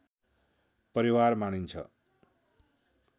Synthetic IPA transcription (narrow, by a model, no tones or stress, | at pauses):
pʌɾiwarmañint͡sʰʌ̰